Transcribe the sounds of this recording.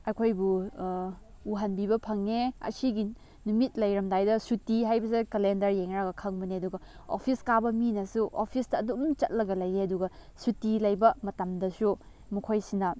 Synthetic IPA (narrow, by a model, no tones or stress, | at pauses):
ɐkʰojbu | ɦanbibɐpʰɐŋːeɐ̰siɡi | numit̚lɐjɾɐmdajdɐsutiɦajbɐs̬ikɐlendɐɾjeŋɾaɡɐkʰɐŋbɐneɐduɡɐo̰pʰiskabɐminɐsuʔopʰisdɐːdumt͡ʃɐt̚lɐɡɐlɐjeɐduɡɐsutilɐjbɐmɐtɐmdɐsu | mukʰojsinɐ